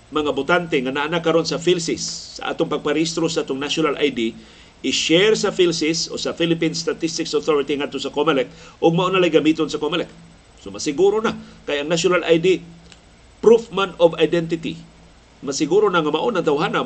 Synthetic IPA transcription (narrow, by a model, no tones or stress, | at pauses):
mɐŋabʊt̪ant̪eŋanaʔanakːaɾonsafilsɪsːa̰ʔa̰ːt̪oŋpaɡ̚paɾiist̪ɾosaʔat̪oŋnaʃonalʔa̰jd̪i | ɪʃɛɾsafilsɪso̰safilɪpinst̪at̪ist̪ɪksoθoɾɪt̪iŋad̪̚t̪osakomalɛk̚ʔʊɡ̚maʔonːalajɡamit̪onsɐkomalɛk̚ | somasɪɡuɾonakajɐŋnasonalʔajd̪i | pɾufmanovajd̪ɛnt̪ɪt̪ḭ | masɪɡuɾonaŋamaʔonaŋt̪awɦana